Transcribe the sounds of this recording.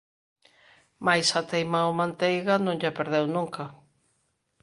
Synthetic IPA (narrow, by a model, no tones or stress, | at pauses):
majsat̪ejmaomãnt̪ejɣanõŋʎapeɾðewnũŋka